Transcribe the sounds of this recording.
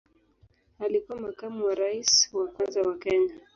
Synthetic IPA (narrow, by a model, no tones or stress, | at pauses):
alikuwamakamuwaɾaiswakwanzawakɛɲa